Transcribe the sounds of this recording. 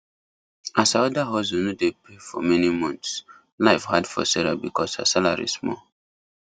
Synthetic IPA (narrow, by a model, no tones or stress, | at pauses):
asaɔdaɦɔsonodepʰefɔ̰mɛnimɔ̃nts | laɪfhadfɔ̰sɛɹa̰bikʰɔsa̰salaɹḭsmɔ